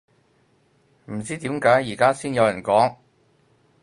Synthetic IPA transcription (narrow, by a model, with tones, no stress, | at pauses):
m̩˨˩t͡siː˥t̪iː˨˥mkaː˨˥jiː˨˩kaː˥siː˥njɐ˨˧wjɐ˨˩nkɔː˨˥ŋ